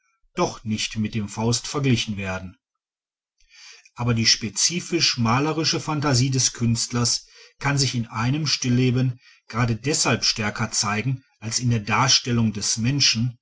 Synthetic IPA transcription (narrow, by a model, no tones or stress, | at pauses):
d̥ɔχnɪçtmɪt̚d̥eːmfaʊstfɛɐɡlɪçn̩veːɐdn̩ | ʔaːbɐdiːʃpet͡siːfɪʃmaːləʁɪʃəfantaziːdɛskʰʏnstlɐskʰanzɪçɪnʔaɪnəmʃtɪlːeːbən | ɡ̥ʁaːdədɛshalpʃtɛɐkɐt͡saɪɡŋ̩ʔalsɪndeːɐdaːɐʃtɛlʊŋdɛsmɛnʃn̩